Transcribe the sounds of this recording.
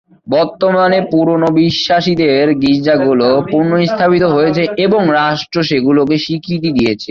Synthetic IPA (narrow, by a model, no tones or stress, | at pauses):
bɔɾt̪omanepuɾonobiʃːaʃid̪eɾɡid͡ʑd͡ʑaɡulopuɾnoist̪ʰapit̪oɦojet͡ɕʰeʔeboŋɾaʃʈɾoʃeɡulokeʃikɾit̪̬id̪ijet͡ɕʰe